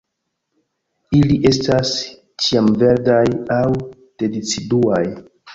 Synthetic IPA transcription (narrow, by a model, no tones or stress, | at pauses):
iliʔe̞stas | t͡ʃiamve̞ɾdajaw | tedit͡siduaj